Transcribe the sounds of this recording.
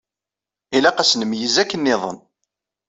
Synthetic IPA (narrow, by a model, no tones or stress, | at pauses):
ilæqæsnəmjəzækːənːɪðˤə̰n